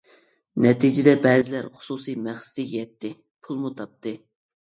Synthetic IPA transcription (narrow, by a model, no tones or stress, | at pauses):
nɛt̪id͡ʒɪd̪ɛbɛːzɪlæɾχʊ̥susijmæχsɪd̪ɪkʲjɛt̪ʰːɪ | pʰulˠmut̪ʰɑp̚t̪ɨ